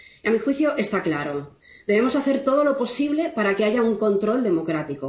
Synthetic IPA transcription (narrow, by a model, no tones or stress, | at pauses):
amixwiθjoʔe̞st̪aklaɾo̞ | d̪e̞βe̞mo̞saθe̞ɾt̪o̞ð̞o̞lo̞po̞siβ̞lepaɾakeaʝauŋkõ̞nt̪ɾo̞ld̪e̞mo̞kɾat̪iko